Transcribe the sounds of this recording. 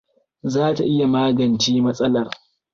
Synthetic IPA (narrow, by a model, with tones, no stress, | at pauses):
zaː˦ta˨ʔɪ˦ja˨maː˦ɡɐ˨nt͡ʃiː˦mɐ˦sʼɐ˦lɐ˨r